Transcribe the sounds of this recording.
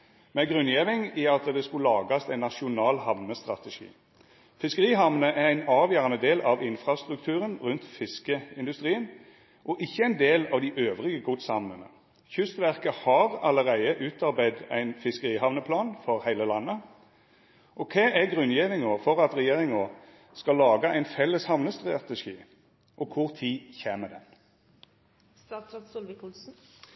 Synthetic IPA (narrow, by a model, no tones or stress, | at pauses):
mɛɡʁʉnjɛːʋɪŋiɑt̪əd̪ɛskʉlɑːɡɑst̪æɪnɑʃʊnɑːlhɑʋnəst̪ʁɑ̰t̪əʂḭː | fɪskəʁiːɦɑʋnəʔææɪnɑːʋjøːʁɑnəd̪eːlɑʋɪnfɾɑst̪ʁʉk̚t̪ʰʉːʁənʁʉnt̪fɪskəɪnd̪ʉst̪ʁiːən | ʔɔʔɪçːəæɪnd̪eːlɑʋd̪ɪʔøːʋʁɪɡəɡʊt̪sɑmnənə̰ | çʏst̪ʋæʁkəhɑʁɑləʁæɪəʔʉːt̪ʰɑʁbæɪd̪æ̰ɪnfɪskəʁiːhɑʋnəpʰlɑːnfɔʁhæɪləlɑnːə | ʔɔkʰeːʔæɡʁʉnjɛnɪŋofɔʁɑt̪ʁɛjeːʁɪŋo | skɑlɑːɡəæɪnfɛlːəshɑʋnəst̪ʁɑt̪əʂḭː | ʔɔkʰʊʁt̪ʰiːçeːməd̪ɛ̰n